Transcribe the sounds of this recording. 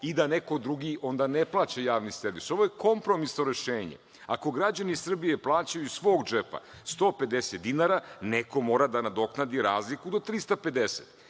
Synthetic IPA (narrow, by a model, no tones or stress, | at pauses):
id̪aneko̞d̪ɾuɡiʔo̞nd̪ane̞plˠaːt͡ɕajaːʋniseɾʋiso̞ʋo̞jeko̞mpɾo̞misnoɾe̞ʃeːɲḛ | a̰ko̞ɡɾad͡ʑanisr̩bijeplˠaːt͡ɕajuisʋo̞ːɡd͡ʒepa̰st̪o̞ːpe̞d̪eset̪̚d̪inaɾaneko̞mo̞ːɾad̪anad̪o̞knad̪iɾaːzlikud̪o̞t̪ɾist̪ape̞d̪esḛt̪